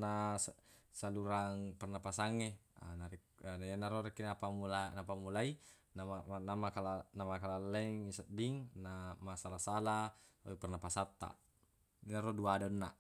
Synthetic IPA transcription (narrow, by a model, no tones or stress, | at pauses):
nassaluɾaŋpɛrnapasaŋːenaɾinainaɾoɾɛkːinapamulanapamulai | namaanamakalanamakalalːɛŋisadiŋnamasalasala | a̰ipɛrnapasat̪ːa̰ | inaɾɔduadonːa